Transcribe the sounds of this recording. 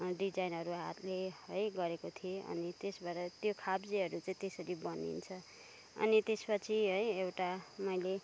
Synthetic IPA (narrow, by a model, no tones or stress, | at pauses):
ɖid͡zajnʌɾuɦa̰t̪leʌjɡʌɾekot̪ʰieʌ̰nit̪esbaɾʌt̪jokʰabd͡ziɦʌɾut͡saĩt̪esʌɾibʌnḭnt͡sʰʌ | ʌ̰nit̪espʌt͡sʰiɦʌjewʈamʌjle